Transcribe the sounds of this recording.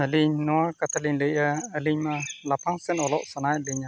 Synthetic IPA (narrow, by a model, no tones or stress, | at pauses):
əliɲnuarkat̪aliɲləʔəəliɲmalapaŋsənɔlɔʔsənajəliɲa